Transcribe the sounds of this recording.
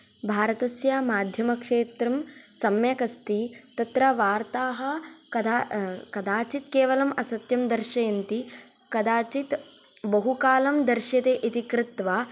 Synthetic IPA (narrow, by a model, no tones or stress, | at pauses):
bʱaːɾɐt̪ɐsjaːmaːd̪ʱjɐmɐkʂeːt̪ɾɐmsɐmjɐkɐst̪it̪ɐt̪ɾɐʋaːɾt̪aːɦɐ̆kɐd̪akɐd̪aːt͡ʃit̪keːʋɐlɐmɐsɐt̪jɐmd̪ɐɾʃɐjɐnt̪i | kɐd̪aːt͡ʃit̪ | bɐɦukaːlɐmd̪ɐɾʃjɐt̪eːʔit̪ikɾɪt̪ʋaː